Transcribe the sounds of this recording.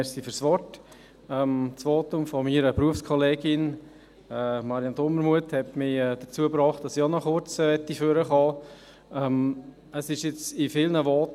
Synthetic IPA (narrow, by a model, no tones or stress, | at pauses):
ɛsifyɾsʋɔɾt | ɛmt͡sʋoːtʊmfɔmiːɾəpɾuəfskʰɔleːɡɪn | ɛːmɑɾjɑntɔməɾmuəthɛtmɪɛd̥əɾt͡suəpɾɑːχt̚d̥ɑsionɔχʊɾt͡sʋɛtːiføɾəχɑː | ɛm | əsɪʃɪt͡sɪfɪlnəʋoːt